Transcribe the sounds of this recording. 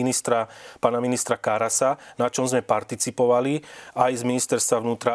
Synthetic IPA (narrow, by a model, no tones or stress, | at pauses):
inist̪ɾapaːnaminist̪ɾakaɾasanat͡ʃɔmzmɛpaɾt̪it͡sipɔʋaliajzminist̪ɛɾst̪ʋaʋnuːt̪ɾa